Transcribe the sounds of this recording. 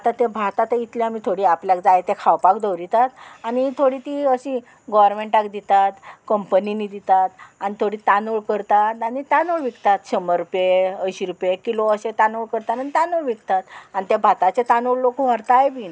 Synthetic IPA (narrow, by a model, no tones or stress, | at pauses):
at̪ãt̪ebʱat̪at̪əit̪leamiːt̪ʰoɽiːapljakd͡zajet̪ekʰawpakd̪əwɾit̪at̪añit̪ʰoɽiːt̪iəɕĩ | ɡɔʋəɾmeɳʈakd̪it̪at̪kəmpəniniːd̪it̪at̪anit̪ʰoɽiːt̪anoɭkəɾt̪at̪añit̪anoɭʋikt̪at̪ɕəməɾːupjeəjɕiɾupjekiloəɕet̪anoɭkəɾt̪at̪anit̪anoɭʋikt̪at̪anit̪ebʱat̪at͡ɕet̪anoɭlokuʋ̤aɾt̪ajbina